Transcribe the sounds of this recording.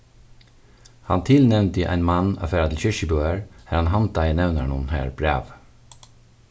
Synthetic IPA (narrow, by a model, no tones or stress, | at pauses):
hɑnt̪ʰɪlnɛʋnt̪ɪʔæ̰ɪnmɑnɑ̰feːɾɑt̪ɪlçʏʃəbøːəɹhæːɾhɑnhɑnt̪ʰɑɪənɛʋnəɳuːn̩hæ̰ːɹb̥ɾḛːʋ